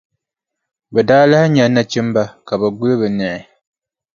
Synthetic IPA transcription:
bɛ˨daː˦la˦ɪ˦ɲa˨na˦t͡ʃɪ˦m˦ba˦ka˨bɛ˨ɡʊ˦lɨ˦bɨ˨nɛ˨ʔɪ˨

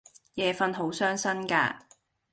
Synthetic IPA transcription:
jɛː˨˧fɐ˧nɦo˨˥wsœː˥ŋsɐ˥nka̰ː˧

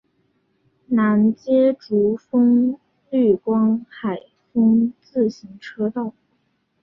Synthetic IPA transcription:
na˧˥nt͡ɕjɛ˥ʈ͡ʂu˧˥fɤ˥ŋ | ly˥˩kwɑ˥ŋxa˨˩ɪ | fɤ˥ŋt͡sɹ̩˥˩ɕi˧˥ŋʈ͡ʂʰɤ˥t̪ɑ˥˩ʊ

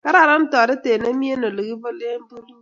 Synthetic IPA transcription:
ka˦ɾa˦˨ɾa˦n̩˦tɔ˨dɪ˦te˨ne˦mi˦e˦no˨lo˨ɣi˦bo˦le˦m̩˦bu˦lu˦

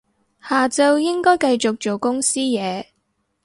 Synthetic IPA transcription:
haː˨t͡sɐ˧wjɪ˥ŋkɔː˥jkɐ˧jt͡sʊ˨k̚t͡ʃo˨˩wkʊ˥ŋsiː˥jɛː˨˧

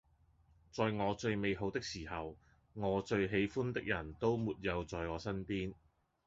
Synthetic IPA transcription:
t͡sɔː˨jŋɔː˨˧t͡ʃɵ˧ɥme˨˧jɦo˨˥wt̪ɪ˥k̚siː˨˩hɐ˨w | ŋɔː˨˧t͡ʃɵ˧ɥɦe˨˧jfuː˥nt̪ɪ˥k̚jɐ˨˩nt̪o˥wmuː˨˩t̚jɐ˨˧wt͡sɔː˨jŋɔː˨˧sɐ˥npiː˥n

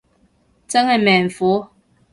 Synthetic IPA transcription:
t͡sə˦ŋɛ˨mɛ˨ɱ̩˨fo˨˦

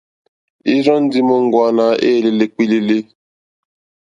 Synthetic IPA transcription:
i˦zɔ˦n̩˦dɪ˦mʊ˦ŋ̩˦ɡʷa˨na˨ʔe˦˨li˦le˦k͡pi˦li˦li˦

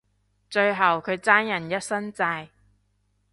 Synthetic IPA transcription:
t͡ʃɵ˧ɥɦɐ˨˩wkʰɵ˨˧ɥt͡saː˥njɐ˨˩njɐ˥t̚sɐ˥nt͡saː˧j

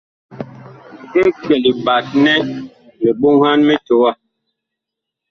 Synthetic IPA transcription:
e˦kɛ˨li˨ba˨t̚nɛ˦ | me˨ɓo˦ŋha˦nmɛ˦to˨˦wa˦˨

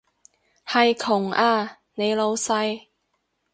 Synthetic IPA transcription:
hɐ˨jkʰʊ˨˩ŋʔaː˧ | ne˨˧jlo˨˧wsɐ˧j

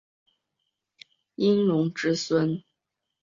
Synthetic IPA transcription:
i˥ŋlʊ˧˥ŋʈ͡ʂɻ̩˥swə˥n

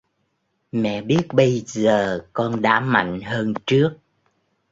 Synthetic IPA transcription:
mɛ̰˧˨ɓi˦˥ət̚ɓə˧jzəː˨˩kɔ˧nɗa̰ː˧˥ma̰˧˨jŋ̟həː˧nt͡ɕɨ˦˥ək̚

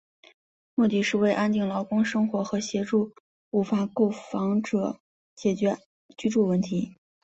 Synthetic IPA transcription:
mu˥˩t̪i˥˧ʂɻ̩˥˧we˥˩ɪʔa˥nt̪i˥˩ŋlɑ˧˥ʊkʊ˥ŋʂɤ˥ŋxwɔ˧˥xɤ˧˥ɕjɛ˧˥ʈ͡ʂu˥˩ | u˧˥fa˥ko˥˩ʊfɑ˧˥ŋʈ͡ʂɤ˨˩˦ | t͡ɕjɛ˨˩t͡ɕɥɛ˧˥ | t͡ɕy˥ʈ͡ʂu˥˧˩wə˥˩nt̪ʰi˧˥

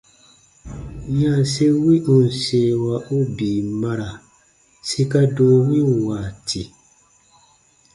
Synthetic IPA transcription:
ja˦˨se˦wi˦u˨n̩˨seː˦˨wa˨ʔu˦biː˨ma˦ɾa˨ | si˦ka˦doː˦wi˦˨wa˨tʰi˨

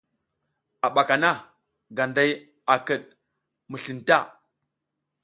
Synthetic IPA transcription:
a˨ɓa˨ka˨na˦ | ɡa˨nda˦j | a˨kə˨ɗ̚ | mə˨ɬi˨nta˦˨

